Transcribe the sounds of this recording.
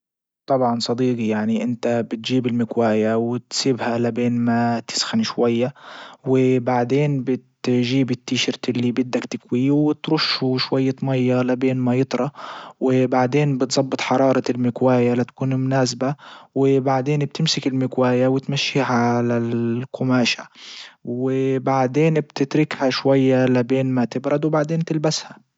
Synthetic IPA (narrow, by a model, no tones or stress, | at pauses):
t̪ˤɑbʕɑnsˤɑd̪iːqijaʕniʔɪnt̪abɪt̪ʒiːbɪlmɪkwaːjawɪt̪siːbhalabeːnmat̪ɪ̥sxanʃwajːawɪbaʕd̪eːnbɪt̪ʒiːbɪt̪ːiːʃɪɾt̪ɪlːiːbɪd̪ːakt̪ɪkwijːwɪt̪ɾʊʃːuʃwajːat̪ˤmɑjːɑlabeːnmajɨt̪ˤɾˤɑwɪbaʕd̪eːnbɪt̪zˤɑbːɨt̪ˤħɑɾˤɑːɾˤɑɪlmɪkwaːjalat̪ḁkuːnmʊnaːsbawɪbaʕd̪eːnb̚t̪ɪmsɪkɪlmɪkwaːjawɪt̪maʃːiːɦaʕʕalalqʊmaːʃa̰wɪbaʕd̪eːnbt̪ɪt̪ɾɪkhaʃwajːalabeːnmat̪ɪbɾˤɑd̪wbaʕd̪eːnt̪ɪlbasha